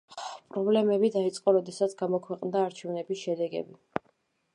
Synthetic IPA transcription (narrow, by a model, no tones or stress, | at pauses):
pʼɾɔblɛmɛbid̪ait̪sʼqʼɔɾɔd̪ɛsat̪sʰɡamɔkʰwɛqʼnd̪aːɾt͡ʃʰɛvnɛbisʃɛd̪ɛɡɛ̰bi